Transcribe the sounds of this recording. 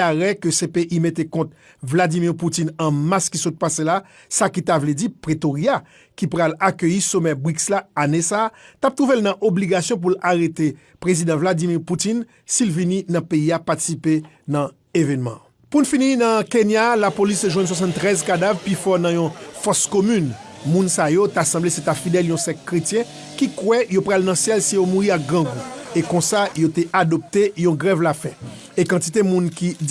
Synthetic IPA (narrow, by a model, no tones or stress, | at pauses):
aʁɛkøsepeʔimet̪ekɔ̃t̪̚ | vlad͡zimiʁputinɐ̃maskisot̪̚pasela | sakit̪avlɛdipʁet̪oʁja | kipʁalakøjisomɛbikslaanesaːtap̚t̪ʁuvelnɐ̃ʔobliɡasjɔ̃p̬ulaʁet̪e | pʁezid̪ãvlad͡zimiʁputin | silvininɐ̃peiapat̪i̥sipe | nɐ̃ | evɛnmɑ̰̃ | punfininɐ̃kenjalapolist̪eʒwɛ̃nswas̬ɑ̃nt̪ːʁɛzkad̪avpifɔnɐ̃jɔ̃fɔskomyn | mũnsajot̪asɑ̃bleset̪ãfid̪ɛljɔ̃sɛkːʁetjɛ̃ | kikwɛjopʁalnɐ̃sjɛlsijomuʁiak̚ɡʁãɡuekɔ̃sajot̪eʔadɔp̚t̪ejɔ̃ɡʁɛvlafɛ̃ | ekɑ̃tit̪emũnki